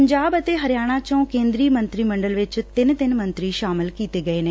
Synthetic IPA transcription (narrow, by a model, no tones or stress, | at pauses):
əɲd͡ʒaːbət̪eːɦəɾɪjaːɽ̃ãːt͡ʃə̃ũkẽːnd̪ɾiːmə̃nt̪ɾiːməɳɖəlʋɪt͡ʃt̪ɪnt̪ɪnmə̃nt̪ɾiːʃaːmɪlkiːt̪eːɡəeːneː